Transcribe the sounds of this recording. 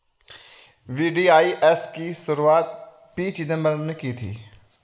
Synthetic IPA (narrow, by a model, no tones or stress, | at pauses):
ʋiːɖiːaːiʔɛskisʊɾuaːt̪̚ | piːt͡ʃinɐ̃məɾnekit̪ʰḭː